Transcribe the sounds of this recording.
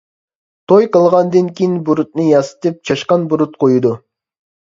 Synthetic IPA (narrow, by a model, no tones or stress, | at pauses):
t̪ʰojqəlˠʁɑnd̪ɨnkʲijinbuɾut̪̚nɨjɑsɨ̥t̪ɨp̚t͡ʃʰɑʃqɑnbuɾut̪̚qʰojud̪u